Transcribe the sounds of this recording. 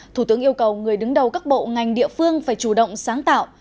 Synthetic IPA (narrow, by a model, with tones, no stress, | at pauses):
t̪ʰu˧˩t̪ɨ˨˦əŋʔi˧əwkə˨˩wŋɨ˨˩əjɗɨ˨˦ŋɗə˨˩wkaː˦˥k̚ɓo̰˧˨ŋa˨˩jŋ̟ɗḭ˧˨əfɨ˧əŋfaː˧˩jt͡ɕu˧˩ɗə̰˧˨wŋ͡msaː˨˦ŋt̪a̰ː˧˨wʔ